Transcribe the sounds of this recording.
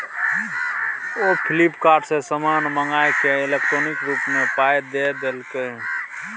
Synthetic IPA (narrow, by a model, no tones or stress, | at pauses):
opʰɪlɪpkaːɾɖsesəməɾnməŋaːekeɪlek̚ʈɾoːnɪkɾuːpmẽpaːed̪ed̪elk̪e